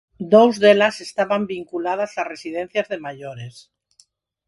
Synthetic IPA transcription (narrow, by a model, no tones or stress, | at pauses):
d̪owzðelase̞st̪aβambiŋkulað̞azlare̞siðẽn̟θjazðe̞maʝoɾes